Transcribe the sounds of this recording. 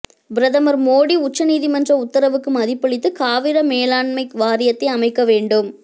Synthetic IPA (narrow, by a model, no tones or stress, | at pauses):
bɾɐðɐmɐɾmoːɽiʊt͡ʃːɐniːðimɐndrɐʊt̪ːɐɾɐʋɯkːɯmɐðɪpːɐɭɪt̪ːɯkaːʋɪɾɐmeːlaːɳmɐɪkʋaːɾɪjɐt̪ːɐɪɐmɐɪkːɐʋeːɳɖɯm